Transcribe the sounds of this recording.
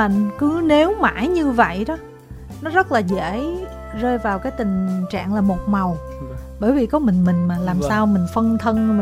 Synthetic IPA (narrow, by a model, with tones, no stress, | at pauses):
a̰˧˨nkɨ˨˦ne˨˦wma̰ː˧˥˩jɲɨ˧və̰˧˨jɗɔ˨˦ | nɔ˨˦zə˦˥t̚laː˨˩ze˧˩ | zəː˧jvaː˨˩wkaː˨˦jt̪ï˨˩ŋ̟t͡ɕa̰ː˧˨ŋlaː˨˩mo˨˩t̚ma˨˩w | ɓəː˧˩jvi˨˩kɔ˨˦mï˨˩ŋ̟mï˨˩ŋ̟maː˨˩laː˨˩msaː˧wmï˨˩ŋ̟fə˧nt̪ʰə˧nmi˨